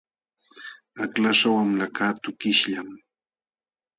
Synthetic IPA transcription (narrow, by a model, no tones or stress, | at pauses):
aklaʂawamlakaːt̪ʊkɪʃʎam